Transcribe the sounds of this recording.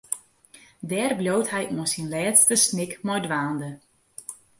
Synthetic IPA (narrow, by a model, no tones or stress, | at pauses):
dɛːrbljowtɦɛjnɔəsinlɛːtstəsnɪkmɔjdʋaːndə